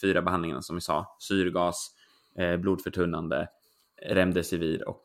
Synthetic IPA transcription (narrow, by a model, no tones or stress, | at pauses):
fyːɾabɛɦand̪ɪŋa̰na̰sɔmvɪsɑ̰ːsyːɾɡɑːs | bluːd̪fœʈʰɵnːand̪ə̰ | ɾɛmd̪əsɪviːɾɔ̰k